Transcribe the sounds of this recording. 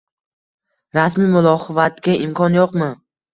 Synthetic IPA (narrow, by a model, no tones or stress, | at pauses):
ɾasmimʊlˠɒχɨvat̪kʲaɪmkʰɒnjoqmɪ